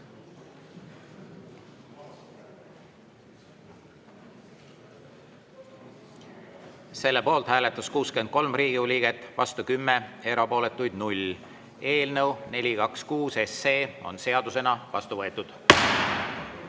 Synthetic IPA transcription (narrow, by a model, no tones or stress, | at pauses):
se̞lːe̞po̞ːlt̪hæːle̞t̪ːˑɑskuːskeend̪̚ko̞lmriːɡ̥iulʲiɡ̥et̪ːˑvɑst̪ukymːe̞e̞ɾɑpo̞ːle̞t̪ːˑujd̪̥nulʲ | e̞ːlnəwne̞lʲikɑkskuːse̞seːo̞̰nse̞ɑd̪use̞nɑvɑ̰st̪uvɤet̪ːˑud̪̥